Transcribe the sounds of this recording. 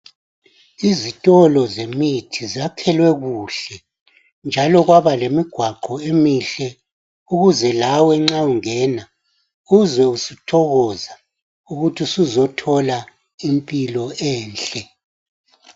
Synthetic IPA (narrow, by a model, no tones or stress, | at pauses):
izitʼɔlɔzemitʰizakʰɛlwɛɣuːɬɛ | nd͡ʒʱalɔɣwaβalemiɡ̥ʱwaǃɔemiɬɛ | uɣuzɛlawɛŋ͡ǁauŋɛna | uuzwɛusitʰɔɣɔza | uɣutʰisuzɔtʰɔla | impʼilɔɛːnɬʼɛ